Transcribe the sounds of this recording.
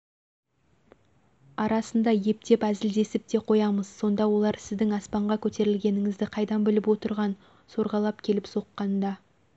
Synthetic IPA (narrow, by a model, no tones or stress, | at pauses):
ɑɾɑsənd̪ɑje̞p̚t̪e̞pæzɪld̪e̞sɪp̚t̪e̞qʰo̞jɑməz̥so̞nd̪ɑwo̞lˠɑɾsɪzd̪ɪŋɑspɑɴʁɑkʲʰɵt̪e̞ɾɪlɡʲe̞nɪŋɪzd̪ɪqʰɑjd̪ɑnbɪlɪpwo̞t̪əɾʁɑn | so̞ɾʁɑlˠɑpkʲʰe̞lɪpso̞qːɑnd̪ɑ